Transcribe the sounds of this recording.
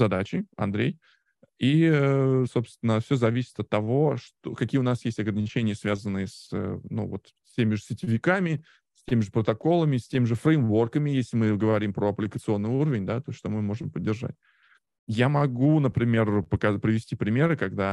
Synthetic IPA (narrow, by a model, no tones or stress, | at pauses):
zɐd̪at͡ɕɪɐ̰nd̪ɾʲej | i | so̞pst̪vʲɪnəfsʲozɐvʲisʲɪ̥t̪ɐt̪ːɐvo̞ʂt̪okɐkʲijəʊnasjesʲtʲɐɡɾənʲɪt͡ɕenʲɪjəsvʲazənːɨjəsə̰nṵvo̞t̪ | tʲemʲɪʐɨsʲɪtʲɪvʲɪkamʲɪ | sʲtʲemʲɪʐɨpɾət̪ɐko̞lˠəmʲɪsʲtʲemʲɪʐɨfɾəjmvo̞rkəmʲɪjesʲlʲɪmɨɡəvɐɾʲimpɾoɐplʲɪkət̪sɨo̞nːɨjuɾəvʲɪnʲd̪at̪osʲʂt̪o̞mɨmo̞ʐɨmpədʲːɪrʐa̰t̚ʲ | jamɐɡunəpɾʲɪmʲe̞rpəkɐpɾʲɪvʲɪsʲtʲipɾʲɪmʲe̞ɾɨkɐɡd̪a